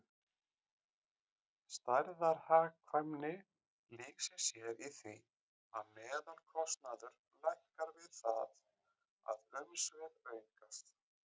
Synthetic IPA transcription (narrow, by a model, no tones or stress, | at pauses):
st̪ajɾðaɾhaːɣkʰvajmnɪ | liːksɪsjɛɾiθi | aðmɛːðalkʰɔst̪naðʏɾ̥ | lajhkaɾvɪðθað | a̰ðœmsvɛlveːjŋkast̪